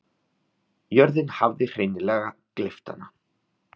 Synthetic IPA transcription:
jœɾðɪnhavðɪr̥ejnɪlɛːɣaklɪft̪a̰na

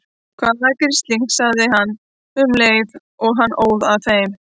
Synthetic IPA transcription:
kʰvaːðakɪɾ̥st̪liŋ̥ksaɣðɪɦanː | ʏmleːjð | ɔɣɦanːʔoːwðaðθejm

